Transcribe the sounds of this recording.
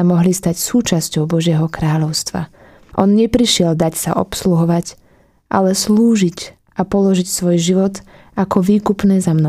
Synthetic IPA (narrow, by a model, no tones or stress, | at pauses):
amɔɦlist̪acsuːt͡ʃascɔʊbɔʒɪɛɦɔkɾaːʎɔʊst̪ʋa̰ | ʔɔnɲɛpɾiʃɪɛld̪acsa̰ʔɔ̰psluɦɔʋac | ʔa̰lɛsluːʒic | ʔapɔlɔʒicsʋɔjʒiʋɔt̪ | akɔʋiːkupnɛːzamnɔ